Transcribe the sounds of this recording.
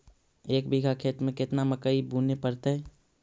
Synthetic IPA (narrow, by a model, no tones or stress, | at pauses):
eːkbʱiɡʱakʰeːt̪mẽkɪt̪naməkəibuːnepəɾt̪aɦɛː